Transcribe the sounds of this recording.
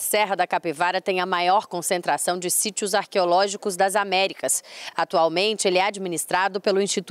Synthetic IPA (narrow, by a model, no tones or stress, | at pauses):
sɛɦɐd̪ɐkapevaɾɐt̪ẽj̃ɐmajɔɾkõsẽnt̪ɾasɐ̃w̃d͡ʒɪsit͡ʃiʊzaɾkeolɔʒikʊzd̪ɐzamɛɾikɐsat̪uawmẽnt͡ʃɪelɪɛad͡ʒiminist̪ɾad̪ʊpelʊĩst͡ʃit̪